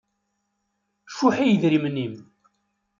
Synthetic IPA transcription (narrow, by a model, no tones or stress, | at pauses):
ʃuħijəðɾimnːim